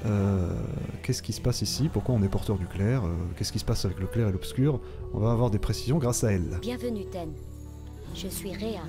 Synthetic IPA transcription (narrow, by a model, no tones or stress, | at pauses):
ø | kʲɛskʲisə̥pasisipuʁkwaɔ̃nɛpɔʁt̪œʁd̪yklɛːʁø̰kʲɛskʲisə̥pasavɛkləklɛʁelɔpskʲyːʁ | ɔ̰̃vaːvwaʁd̪epχesizjɔ̃ɡʁasaɛlbjɛ̃vənyt̪ɛn | ʒ̥əsɥiʁea